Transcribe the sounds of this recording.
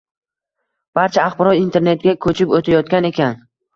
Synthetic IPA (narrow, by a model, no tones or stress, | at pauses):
b̥aɾt͡ʃʰaːχbɪɾɒjint̪ʰe̞ɾne̞t̪̚ɡʲakʰɵt͡ʃʰɪpot̪ʰajɒt̪̚kʲane̞kʲan